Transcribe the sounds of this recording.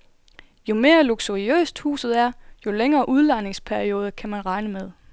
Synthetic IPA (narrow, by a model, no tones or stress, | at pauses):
jo̝me̝ːɐluɡ̥suʁiø̰ːsd̥hṵːsð̩ˠæɐjo̝leŋɐːʔuð̞ˠlɑne̝ŋspʰæɐio̝ːð̞ˠəkʰæmænʁɑ̈ɪnəmeð̞ˠ